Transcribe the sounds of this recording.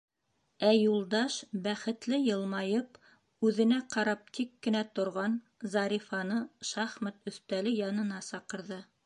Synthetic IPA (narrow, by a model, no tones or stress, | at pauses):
æjulˠd̪ɑʃbæχɘ̆t̪lɘjɤ̆lˠmɑjɤp | ʉðɘ̆næqɑɾɑp̚t̪ʰikːɘ̆næt̪ŏɾʁɑn | zɑɾʲifɑnɤʃɑχmæt̪ɵ̆θt̪ælɘjɑnɤ̆nɑsɑqɤ̆ɾðɤ